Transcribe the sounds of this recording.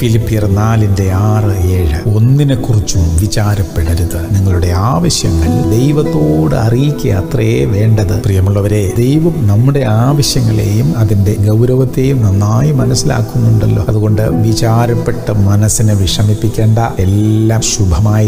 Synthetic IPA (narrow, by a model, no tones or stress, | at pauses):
filipːijɐrnaːlinde̞aːrɨeːɻɨo̞nːinɨkurit͡ɕːuʋit͡ɕaːɾɐpːeɽɐɾuðɨniŋːɐɭuɽe̞aːʋɐɕjɐŋːɐɭd̪e̞jʋɐt̪ːo̞ːɽɨɐrijikʲːɐjɐ̰ːt̪rɐjeːʋe̞ːɳɖɐðɨprijɐmuɭːɐʋɐɾe̞d̪ejʋɐmnɐmːuɽe̞aːʋɐɕjɐŋːɐɭe̞̰ːjumɐðinde̞ɡɐwɾɐʋɐt̪ːe̞ːjumnɐnːaːjimɐnɐsːila̰ːkːunːuuɳɖɐlːo̞̰ːɐðuɣo̞ɳɖɨʋit͡ɕaːɾɐpːe̞ʈːɐmɐnɐsːinɨʋiʂɐmipːikʲːe̞ːɳɖɐelːaːmɕubʱɐmaːji